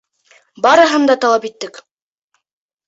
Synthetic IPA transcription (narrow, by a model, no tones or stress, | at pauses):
bɑɾɤ̆ɦɤ̆nd̪ɑt̪ɑlˠɑpit̪ːɘk